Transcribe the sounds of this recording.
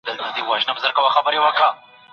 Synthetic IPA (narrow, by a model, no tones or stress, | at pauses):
d̪əlt̪ad̪iwɑʒnabzəɾkawaxabəɾewəkɽa